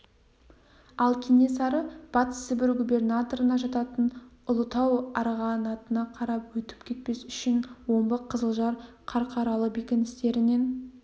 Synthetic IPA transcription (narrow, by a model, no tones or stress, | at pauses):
ɑlˠkʲʰinesɑɾəb̥ɑt̪ə̥səbɪɾɡubʲe̞rnat̪o̞ɾənɑʒɑt̪ɑt̪ənʊlˠət̪ɑwɑɾʁɑnɑt̪ənɑqʰɑɾɑpwɵt̪ɪ̥pkʲʰe̞t̪̚pe̞sʏ̥ʃɪnwo̞mbəqʰːəzəlˠʒɑɾ | qʰɑɾqʰɑɾɑlˠəbekʲɪnɪst̪e̞ɾɪne̞n